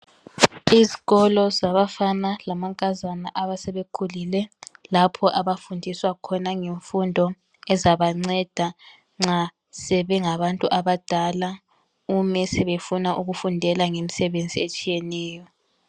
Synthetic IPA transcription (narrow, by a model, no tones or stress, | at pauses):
iziɣɔlɔzaβafanalamaŋkʼazanaʔaβasɛβekʰulilɛlapʰɔʔaβafundʱiswakʰɔnaŋeɱfundʱɔ | ɛzaβaŋ͡ǀɛd̥ʱa | ŋ͡ǁa | sɛβɛŋaβantʼuʔaβad̥ʱala | umɛsɛβefunaʔuɣufundʱɛlaŋemisɛβend͡zʱiet͡ʃʼijɛnɛːjɔ